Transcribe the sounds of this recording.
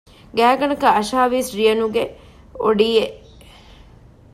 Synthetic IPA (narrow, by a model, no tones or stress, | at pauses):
ɡæːɡɐnɐkɐɐʃaːʋiːsɾijɐnuɡe | oɖijeʔ